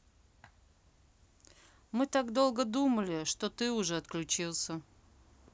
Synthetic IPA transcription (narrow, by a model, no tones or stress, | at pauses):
mɨt̪aɡd̪o̞lˠɡəd̪uməlʲɪʂt̪o̞t̪ɨʊʐɛɐt̪klʲʉt͡ɕilˠsʲə